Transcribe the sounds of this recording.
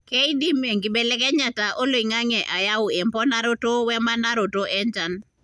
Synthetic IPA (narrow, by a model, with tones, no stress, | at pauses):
kɛ˦i˦di˦me˨ŋɡi˨be˨le˦kɛ˦ɲa˨ta˨ʔo˦lo˨i˨ŋa˦ŋɛ˨ʔa˨ja˦wʊ˨e˨mpɔ˦na˦ɾo˦to˦wɛ˦ma˦na˦ɾo˨to˦ʔɛ˦nt͡ʃa˨n